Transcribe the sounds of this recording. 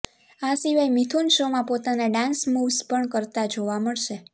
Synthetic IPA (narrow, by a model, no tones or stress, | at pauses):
asiʋajmit̪ʰunʃomãpot̪anaɖãnsmuʋspəɳkəɾt̪ad͡ʒoʋaməɭʃe